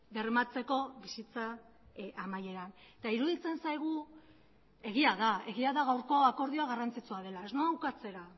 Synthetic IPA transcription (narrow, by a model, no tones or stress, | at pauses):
de̞rmat͡se̞ko̞βisit͡sa | amaje̞ɾanet̪aiɾuðit͡se̞nsajɣ̞u | e̞ɣiaðae̞ɣiaðaɣ̞awɾko̞ako̞ɾð̞io̞aɣ̞arant͡sit͡suað̞e̞lae̞znoawkat͡se̞ɾa